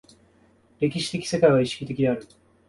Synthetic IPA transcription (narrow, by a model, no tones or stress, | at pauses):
ɾe̞kʲiɕi̥t̪e̞kʲi̥se̞kaiɡaiɕi̥kʲit̪e̞kʲid̪e̞aɾɯ